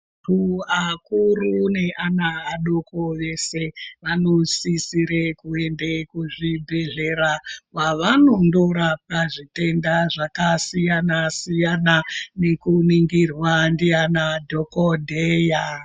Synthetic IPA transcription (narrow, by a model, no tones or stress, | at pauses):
tuakurune̞ʔanaːɗoko̞ʋe̞se̞ʋanosisiɾekuendekuʐibʱeɮe̞ɾawaʋano̞ndo̞ɾapaʐite̞ndaʐakasijanasijananekuniŋɡirwandianadʱo̞kodʱeja